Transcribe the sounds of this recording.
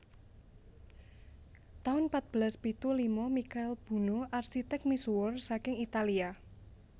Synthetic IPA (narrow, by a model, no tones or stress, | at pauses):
t̪aʊnpat̪̚b̥əlaspit̪ulimɔmikaɪlb̥ṳnoʔarsit̪ɛk̚misuʊrsakɪŋit̪alia